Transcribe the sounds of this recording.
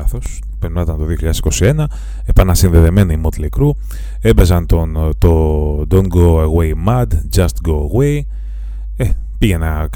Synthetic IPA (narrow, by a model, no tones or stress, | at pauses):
θo̞s | peɾmnɐt̪ɐnt̪o̞ðio̞çiʎɐðesi̥ko̞sie̞nɐ | epɐnɐsinðeðeme̞niimot̪lekɾu | e̞be̞zɐnt̪ont̪od̪oŋɡoeɣwejmɐd̪d͡ʒɐst̪ɡoeɣwej | e | piʝenɐ